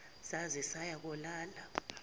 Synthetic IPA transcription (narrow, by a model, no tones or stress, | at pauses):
sazɛsajak̬ɔlaːla